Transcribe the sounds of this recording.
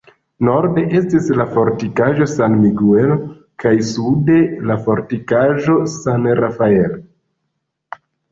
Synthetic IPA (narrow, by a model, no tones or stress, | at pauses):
no̞ɾde̞ʔe̞stislafo̞ɾtikaʒo̞sanmiɡuel | kajsude̞lafo̞ɾtikaʒo̞sanrafae̞l